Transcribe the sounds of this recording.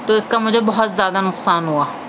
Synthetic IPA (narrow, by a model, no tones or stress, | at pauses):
t̪oːɪskamʊd͡ʒʱebɔɦʊt̪zjaːd̪anʊqsaːnɦuaː